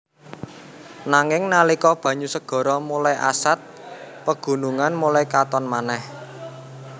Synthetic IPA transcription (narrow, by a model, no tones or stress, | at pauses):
naŋɪŋnalikɔb̥ä̤ɲusəɡ̥ɔ̤ɾɔmulajʔa̰sat̪̚pəɡ̥ṳnuŋanmulajkat̪ɔnmanɛh